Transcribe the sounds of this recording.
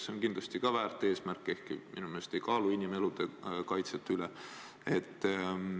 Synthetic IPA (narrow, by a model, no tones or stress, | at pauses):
seonkind̪lɑst̪ikɑvæːrt̪ːˑe̞ːsmærkːˑe̞hkiminumelest̪e̞jkɑːluinʲime̞lud̪̥e̞kɑjt̪set̪ːˑyle | et̪ː